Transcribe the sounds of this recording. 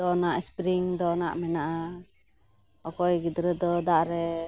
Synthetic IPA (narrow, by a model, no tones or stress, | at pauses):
ɔnaʔspɾiŋd̪ɔnaʔmɛnaʔa | ɔkɔjɡid̪ɾəd̪ɔd̪aʔɾɛ